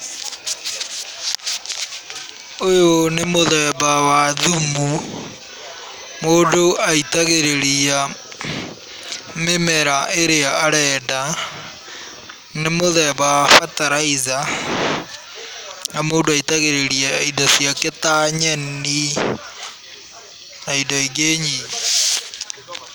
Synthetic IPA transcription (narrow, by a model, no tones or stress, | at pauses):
ojonemoðɛβawaðumu | moːdoaitaɣeɾeɾia | memɛɾaeɾeaːɾɛːda | nemoðɛːβawafataɾaiza | namoːndoaitaɣeɾeɾiaidasiaketaɲɛni | aidaiɡeːɲi